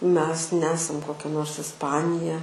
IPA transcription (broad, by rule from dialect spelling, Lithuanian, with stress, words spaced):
mʲɛs ˈnʲæːsɐm koːˈkʲɛ noːrs ɪsˈpɑːnʲɪjɛ